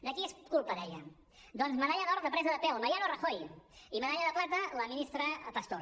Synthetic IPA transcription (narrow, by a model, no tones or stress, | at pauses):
d̪əkieskulˠpəðɛjə̰ | d̪ɔnzmənaʎaðɔɾt̪əpɾɛzəðəpɛwmɐɾjanorəxojimənaʎaðəplat̪ələminist̪ɾəpəst̪oɾ